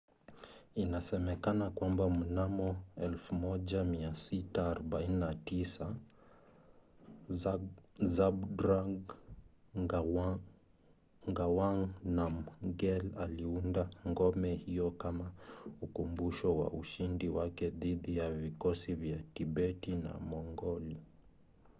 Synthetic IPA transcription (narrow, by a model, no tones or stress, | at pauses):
inasɛmɛkanakwambam̩namɔɛlfumɔʄamiasitaːɾɔɓaininatisa | zabdɾaɡ | ŋɡawaŋnamɡɛlaliundaŋɡɔmɛhijɔkamaukumbuʃɔwa̰ʔuʃindiwakɛðiðijavikɔsivjatiɓɛtina̰mɔŋɡɔli